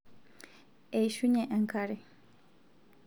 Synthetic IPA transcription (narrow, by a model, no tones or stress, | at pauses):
eiʃuɲeʔeŋkaɾi